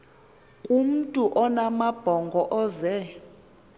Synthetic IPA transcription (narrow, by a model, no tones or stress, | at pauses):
kʼum̩tʼuʔɔnamab̥ʱɔŋɡʱɔʔɔzɛ